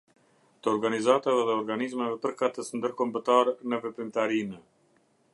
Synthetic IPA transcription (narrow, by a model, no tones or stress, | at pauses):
t̪əɔɾɡanizat̪avɛðɛɔɾɡanizmɛvɛpəɾkat̪əsnd̪əɾkɔmbət̪aɾɛnəvɛpɾimt̪aɾinə